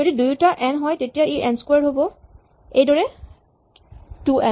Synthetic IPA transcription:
d͡ʒodidujutaʔɛnɦɔjtetijaiʔɛnskwaɹɦobɔ | ejdɔɹɛ | tuʔɛ

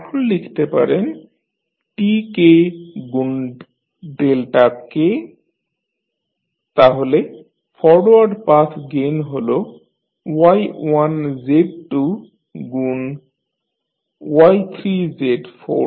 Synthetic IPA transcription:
ɛkʰunlikʰi̥t̪epa̰ɾen | ʈikeɡun | ɖelʈake | t̪aɦole | fʰɔɽowaɖpasɡenɦolo | wajwanzeʈʈu | ɡun | wajt̪ʰɾizeɖfʰo̰

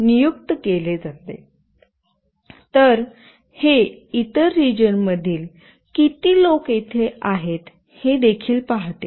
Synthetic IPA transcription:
nijukt̪əkeled͡zat̪ḛ | t̪əɾ | heit̪əɾːid͡ʑənməd̪ʱiːl | kit̪iːloket̪ʰeaɦet̪ | hed̪ekʰiːlpaɦt̪ḛ

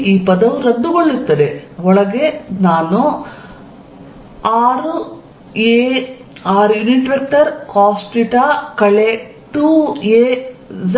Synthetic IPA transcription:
iːpɐd̪ɐʋuɾɐnd̪uɡoɭːut̪ːɐd̪eʋɔɭɐɡenaːnu | aːɾu | eːaːɾjuniʈʋek̚ʈɐɾkaːsʈiʈaːkɐɭe | ʈueːz

